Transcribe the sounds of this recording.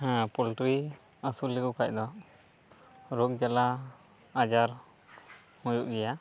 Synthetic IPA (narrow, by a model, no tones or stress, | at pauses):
ɦɛ̃pɔlʈɾi | əsuliɡukac̚ˀd̪ɔ | ɾok̚d͡ʒala | ad͡ʒaɾ | mujuʔɡɛja